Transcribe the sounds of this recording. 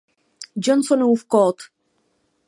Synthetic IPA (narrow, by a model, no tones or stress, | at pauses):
d͡ʒɔnsɔnuufkɔt̪